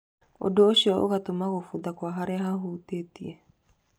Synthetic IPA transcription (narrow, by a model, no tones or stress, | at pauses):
o̰doːʃiɔʔo̰ɣatomaɣofudakwaɦaɾɛɦaɦutetie